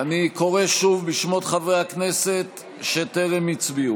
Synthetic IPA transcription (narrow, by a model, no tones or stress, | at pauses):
aniko̞ʁe̞ʃuvbiʃmo̞t̪χavʁehakne̞se̞t̪ | ʃeteʁemit͡sbiu